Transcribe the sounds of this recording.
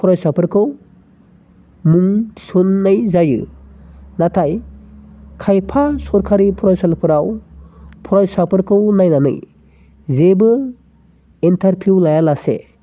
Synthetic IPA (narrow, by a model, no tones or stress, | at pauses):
pʰɔɾajsapʰɯɾkʰɯw | muŋti̥sɔnːajzajɯ̰ | natʰaj | kʰajpʰasɔɾkʰaɾipʰɔɾajsalpʰɯɾaw | pʰɔɾajsapʰɯɾkʰɯwnajnanɯ̰j | zebɯ | intʰaɾpʰuwlajalasḛ